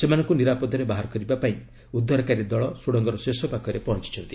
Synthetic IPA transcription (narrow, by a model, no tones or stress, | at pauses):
semanɔŋkuniɾapɔd̪ʱɔɾebaɦaɾɔkɔɾibapaĩ | ud̪ːɔɾɔkaɾid̪ɔɭɔsoɽɔŋɡɔɾɔsesɔpakɔɾepɔɦɔnt͡ʃi̥t͡ʃʰɔnt̪i̥